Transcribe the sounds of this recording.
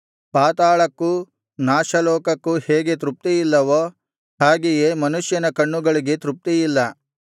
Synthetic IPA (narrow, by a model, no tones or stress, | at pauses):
paːt̪aːɭɐkːu | naːʃɐlɔːkɐkːuhɛːɡe̞t̪ɾup̚t̪ijilːɐʋo | haːɡijemɐnuʃjɐnɐkɐɳːuɡɐɭiɡe̞t̪ɾup̚t̪ijilːɐ